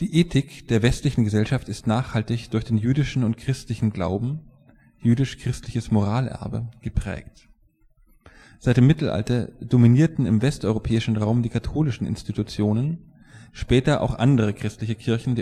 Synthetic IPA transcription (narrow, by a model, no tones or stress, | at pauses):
d̥iːʔeːtʰɪkd̥eːɐvɛstlɪçn̩ɡəzɛlʃaftɪstnaːχhaltɪçd̥ʊɐçd̥eːnjyːdɪʃn̩ʊntkʁ̥ɪstlɪçn̩ɡla̰ʊbm̩ | jyːdɪʃkʁ̥ɪstlɪçəsmoʁ̞aːlʔɛ̰ɐbə̰ɡ̥əpʁ̥ɛ̰ːkt | z̥aɪtɪmːɪtl̩ʔa̰ltɐd̥ominiːɐtn̩ɪmvɛstʔɔʏʁopʰɛːɪʃn̩ʁaʊmdiːkʰatʰoːlɪʃn̩ɪ̰nstitʰut͡sjoːnən | ʃpɛːtɐʔa̰ʊxʔa̰ndəʁ̞əkʁ̥ɪstlɪçəkʰɪɐçn̩deː